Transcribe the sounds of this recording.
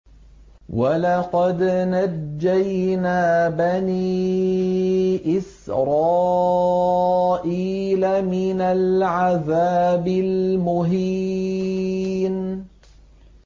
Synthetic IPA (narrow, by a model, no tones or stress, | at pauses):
walɑqɑd̪nad͡ʒːajnaːbaniː | ʔɪsɾˤɑː | ʔiːlamɪnalʕaðaːbɪlmʊɦi | n